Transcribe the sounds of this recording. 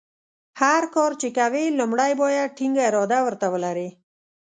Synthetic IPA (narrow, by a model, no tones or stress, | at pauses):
haɾkɔɾt͡ʃekawelʊmɽajbojaʈiŋɡaɾɔd̪awəɾt̪awəlaɾe